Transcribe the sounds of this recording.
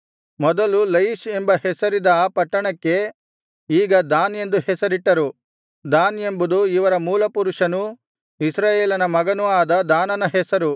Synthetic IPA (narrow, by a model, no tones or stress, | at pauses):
mɔd̪ɐlulɐjiʃembɐhɛsɐɾid̪ɐpɐʈːɐɳɐkːe̞ | iːɡɐd̪aːne̞nd̪uhɛsɐɾiʈːɐɾu | d̪aːne̞mbud̪uiʋɐɾɐmuːlɐpuɾuʂɐnu | isɾaːjeːlɐnɐmɐɡɐnuaːd̪ɐd̪aːnɐnɐɦɛsɐɾu